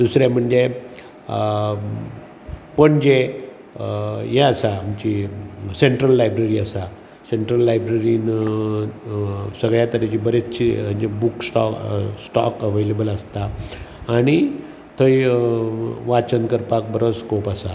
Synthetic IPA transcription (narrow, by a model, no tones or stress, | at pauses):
d̪usɾam̤əɳd͡ze | pəɳd͡ʑe | jɛəsamt͡ɕiseɳʈɾəlːajbɾeɾiəsa | seɳʈɾəlːajbɾeɾiːn | səɡɭjat̪əɾet͡ɕibəɾet͡st͡ɕim̤əɳd͡ʑebuksʈɔsʈɔkəʋelebələst̪aː | ɽ̃i | t̪ʰəj | ʋat͡ɕənkəɾpak̚bəɾoskopasa